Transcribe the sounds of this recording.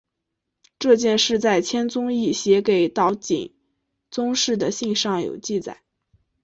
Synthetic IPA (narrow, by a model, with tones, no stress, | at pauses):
ʈ͡ʂɤ˥˧t͡ɕjɛ˥˧nʂɻ̩˥˧t͡sa˥˩ɪt͡ɕʰjɛ˥nt͡sʊ˥ŋi˥˩ɕjɛ˧˥ke˨˩ɪt̪ɑ˧˥ʊt͡ɕḭ˨˩ŋ | t͡sʊ˥ŋʂɻ̩˥˩d̪ə˩ɕi˥˧ŋʂɑ˥˩ŋjo̰˨˩ʊt͡ɕi˥˩t͡sa̰˨˩˦ɪ